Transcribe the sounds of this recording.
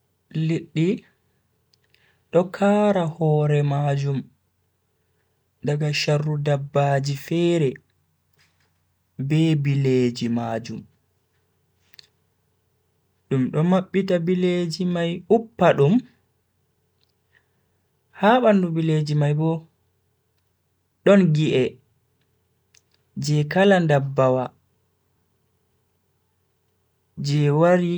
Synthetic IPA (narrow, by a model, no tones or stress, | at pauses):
liɗːi | ɗɔkʰaːɾahɔːɾɛmad͡ʒum | daɡaʃarːudabːaːd͡ʒifɛːɾɛ | bɛbileːd͡ʒimad͡ʒum | ɗumɗɔmaɓːitabiled͡ʒimajupːaɗum | haɓandubiled͡ʒimajbɔ | ɗɔnɡiʔɛ | d͡ʒɛkalandabːawa | d͡ʒɛwaɾi